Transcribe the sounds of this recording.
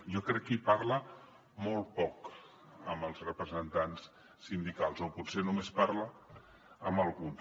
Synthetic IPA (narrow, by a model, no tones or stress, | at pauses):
jɔkɾɛkːipaɾlə | mɔlˠt̪̚pɔk | əmbəlˠzrəpɾəzənt̪ans | sind̪ikalˠzoputsenumespaɾlə | əməlˠɣuns